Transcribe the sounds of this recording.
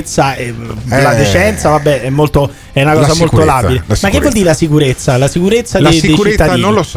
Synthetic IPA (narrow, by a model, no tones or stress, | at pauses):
t̪saelad̪et͡ʃɛnt̪savabːɛɛmːolt̪o | ɛunakɔːsamololabilemakːevwɔld̪iːɾelasikuɾet̪sːalasikuɾet̪sːaleejt͡ʃit̪ːad̪iːni